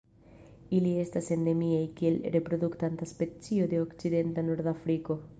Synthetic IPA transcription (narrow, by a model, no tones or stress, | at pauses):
ilie̞stase̞nd̪e̞miejkie̞lɾe̞pɾo̞d̪ukt̪ant̪aspe̞t͡sio̞d̪e̞okt͡side̞nt̪anoɾd̪afɾiko̞